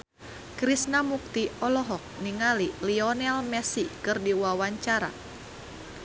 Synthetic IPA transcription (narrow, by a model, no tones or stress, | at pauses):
kɾisnamuk̚t̪iɔlɔɦɔk̚niŋaliliɔnɛlmɛsikɨrdiwawaɲt͡ʃaɾa̰